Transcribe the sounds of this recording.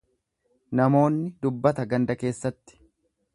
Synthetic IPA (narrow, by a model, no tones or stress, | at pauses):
nɐmo̞ːnːɪd̪ʊbːɐt̪ɐɡɐnd̪ɐke̞ːsːɐt̪ːɪ̥